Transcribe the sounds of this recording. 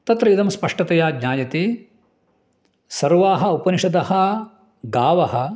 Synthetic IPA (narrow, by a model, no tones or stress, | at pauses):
t̪ɐt̪ɾɐjid̪ɐmspɐʂʈɐt̪ɐjaːɡɲaːjɐt̪e | sɐɾʋaːɦɐ̆upɐniʂɐd̪ɐhɐ | ɡaːʋɐhɐ̆